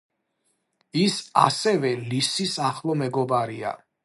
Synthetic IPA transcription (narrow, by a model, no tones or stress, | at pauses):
isa̰sɛvɛlisisaχlˠɔmɛɡɔbaɾia̰